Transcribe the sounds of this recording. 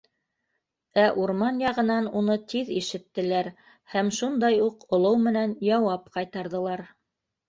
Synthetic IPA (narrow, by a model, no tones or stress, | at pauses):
æʔuɾmɑnjɑʁɤ̆nɑnunɤt̪iðiʃɘ̆t̪ːɘ̆læɾ | hæmʃund̪ɑjuqŏlˠɤwmɘ̆nænjɑwɑpqɑjt̪ɑɾðɤ̆lˠɑɾ